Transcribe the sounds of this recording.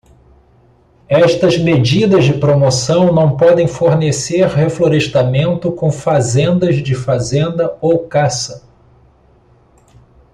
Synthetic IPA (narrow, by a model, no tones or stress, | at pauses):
ɛʃt̪ɐzmed͡ʒid̪ɐzd͡ʒɪpɾomosɐ̃w̃nɐ̃w̃pɔd̪ẽj̃foɾneseɾhefloɾeʃt̪amẽnt̪ʊkõw̃fazẽnd̪ɐzd͡ʒɪfazẽnd̪ɐowkasɐ